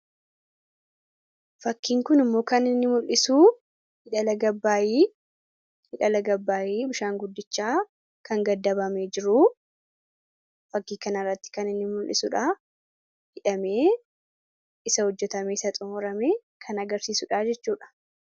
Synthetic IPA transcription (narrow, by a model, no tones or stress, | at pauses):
fɐkːiːŋkʊnɪmːo̞ːkɐnɪnːɪmʊlʔɪsuː | hɪᶑɐlɐɡɐbːaːjiː | hɪᶑɐlɐɡɐbːaːjiːbɪʃaːŋɡʊd̪ːɪt͡ʃːaː | kɐŋɡɐd̪ːɐbɐmeːd͡ʒɪɾʊ | fɐkːiːkɐnɐɪrːɐt̪ːɪ̥kɐnɪnːɪmʊlʔɪ̰sʊᶑaː | hɪᶑɐme̞ː | ɪsɐhɔd͡ʒːɛt̪ɐmeːɪsɐt̪ʼʊmʊɾɐmeː | kʰɐnɐɡɐɾsiːsʊᶑaːd͡ʒɛt͡ʃːuːᶑɐ̥